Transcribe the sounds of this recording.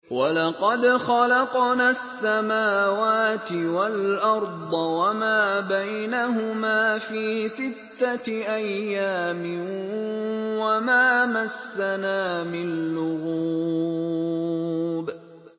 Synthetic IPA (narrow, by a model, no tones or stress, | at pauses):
walɑqɑd̪xɑlɑqnaːsːamaːwaːt̪ɪwalʔɑɾˤd̪ˤɑwamaːbajnaɦʊmaːfiːsɪt̪ːaʔajːaːmɪ | wamaːmasːanaːmɪnnlʊɣuuː | b